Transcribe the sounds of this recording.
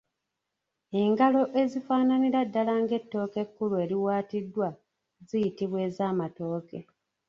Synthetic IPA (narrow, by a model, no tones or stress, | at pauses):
e̞ŋɡalo̞ʔe̞zifaːnaniɾadːalaŋɡe̞tːo̞ːke̞kːulue̞ːɾiwaːtidːwa | zijitiβwe̞ːzaːmato̞ːke̞